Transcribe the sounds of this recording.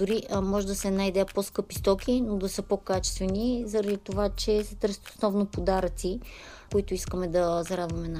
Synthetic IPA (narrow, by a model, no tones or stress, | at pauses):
d̪ʊɾimɔʒɛd̪ɐsɛnajd̪ɛposkɤpist̪ɔkʲinod̪ɐsɤpokat͡ʃɛ̥st̪vɛnizɐɾɐd̪it̪ovat͡ʃɛsɛt̪ɤɾsʲə̥t̪o̥snɔvnopod̪aɾət̪sikoit̪ʊiskəmɛd̪ɐzɐɾad̪vɐmɛna